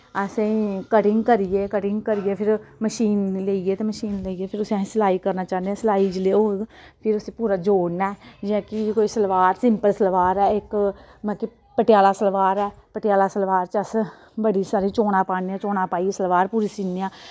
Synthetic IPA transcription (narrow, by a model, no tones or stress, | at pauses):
əsẽĩkəʈɪ̃ŋɡkəɾieːkəʈɪŋɡ̚kəɾijeːpʰɪɾməʃiːnleːieːt̪eːməʃiːnleːiːeːpʰɪɾʊsãsəlaːiːkəɾnaːt͡ʃaːnd̪eãːsəlaːiːd͡ʒleːoː | pʰɪɾʊsẽːpuːɾaːd͡ʒoːɽnɛːd͡ʒãːkikoːisəlʋaːɾsɪmpəlsəlʋaːɾɛːɪk | mãːki | pəʈjaːlaːsəlʋaːɾɛːpəʈɪjaːlaːsəlʋaːɾt͡ʃəs | bəɽiːsaːɾĩːt͡ʃoːɽãːpaːneãːt͡ʃoːnaːpaːisəlʋaːɾpuːɾisiːneãː